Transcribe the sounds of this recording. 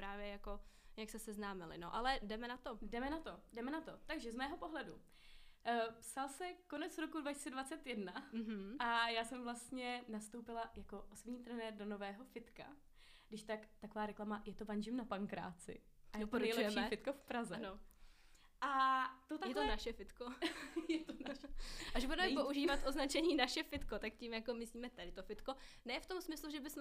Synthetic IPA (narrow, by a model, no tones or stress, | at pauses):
pɾaːvjɛjakojaksɛsɛznaːmɪlɪ̰no̰ʔalɛdɛmɛnat̪odɛmɛnat̪o̞dɛmɛnat̪o̞t̪aɡʒɛzmɛːɦo̞po̞ɦlɛdu | psalsɛko̞nɛt͡sɾo̞kudvaci̥st͡sɛdvat͡sɛt̪jɛdnaɦ̩ʔajaːsɛmvlast̪ɲɛnast̪o̞wpɪlajako̞ʔosobɲiːt̪ɾɛnɛːɾdo̞no̞vɛːɦo̞fɪt̪ka | ɡdɪʃt̪akt̪akovaːɾɛklamajɛt̪ovanʒɪmnapaŋkɾa̰ːt͡sɪ̰ | ajopɾoɛlɛɛʃmiiɛfɪt̪̚kofpɾazɛano | ʔat̪ot̪ajɛt̪onaʃɛfɪt̪kojɛt̪onʃʔaʒbudɛmɛpoʔuʒiːvat̪ʔoznat͡ʃɛɲiːnaʃɛfɪt̪kot̪akcimjakomɪsliːmɛt̪adɪt̪ofɪt̪ko̞nɛːft̪o̞msmɪsluʒɛbɪsmɛ